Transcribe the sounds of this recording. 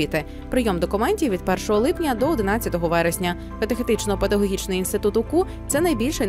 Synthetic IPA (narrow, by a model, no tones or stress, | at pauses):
it̪ɪ | pɾɪjɔmd̪ɔkʊmɛnʲtʲiʋʲid̪̚pɛrʃɔɦɔlˠɪpnʲɐd̪ɔɔd̪ɪnat͡sʲːɐt̪ɔɦɔʋɛɾesʲnʲɐ | pɐt̪exet̪ɪt͡ʃnɔpet̪ɐɦɔɦʲit͡ʃnɪjinst̪ɪt̪ut̪ʊku | t̪sɛnɐjbʲilʲʃɛ